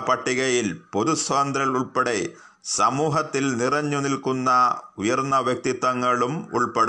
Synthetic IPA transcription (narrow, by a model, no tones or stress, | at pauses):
pɐʈːiɣɐjilpoðusʋɐnd̪ɾɐɭuɭpɐɽe | sɐmuːɦɐt̪ːilnirɐɲːunilkunːɐujɐrnːɐʋjɐk̚t̪it̪ːɐŋːɐɭumṵɭpɐɽ